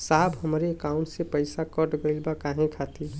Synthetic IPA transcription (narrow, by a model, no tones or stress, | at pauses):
saːbɦəmɾeːkaʊ̃ɳʈsepəɪsakəʈɡəɪlbakaːɦẽkʰat̪i